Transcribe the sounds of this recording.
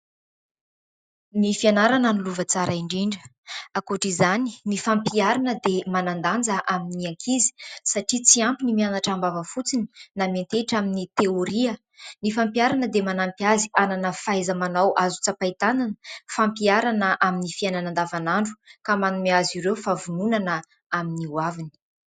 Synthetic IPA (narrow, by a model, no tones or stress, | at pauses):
nifianaɾananuluvət͡saɾʔaiɳɖ͡ʐiɳɖ͡ʐə | akoʈ͡ʂizaninifampiaɾanəd̪emanand̪and͡zəʔaminiaŋkʰizi̥saʈ͡ʂit͡siampinimianaʈ͡ʂambavəfut͡sini̥nament̪eʈ͡ʂaminit̪eoɾiə | nifampiaɾanəd̪emanampjaziananəfajzəmanawʔazu̥t͡sapait̪ananə̥fampiaɾanəʔaminifiajnanand̪avanaɳɖ͡ʐu̥kamanumeaziɾewfavununanə | aminiwavini̥